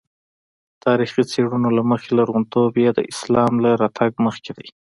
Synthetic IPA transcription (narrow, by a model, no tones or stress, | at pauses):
t̪ʰɑɾixit͡seɽunolaməxelaɾɣunt̪objɑd̪ə̰ʔɪslɑmlaɾɑt̪ʰaɡməxked̪aj